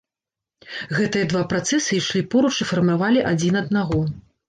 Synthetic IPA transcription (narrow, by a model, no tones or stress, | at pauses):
ɣɛt̪ɨjɐd̪vapɾat̪sɛsɨiʂlʲipɔɾut͡ʂifɐrmavalʲiʔad͡zʲinɐd̪̚naɣɔ